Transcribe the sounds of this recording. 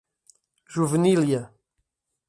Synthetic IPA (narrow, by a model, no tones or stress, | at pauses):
ʒuvniljɐ